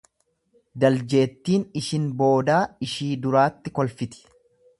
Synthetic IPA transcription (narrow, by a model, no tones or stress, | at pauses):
d̪ɐld͡ʒe̞ːt̪ːiːnɪʃɪnbo̞ːd̪aːɪʃiːd̪ʊɾaːt̪ːɪkɔlfɪt̪ɪ̥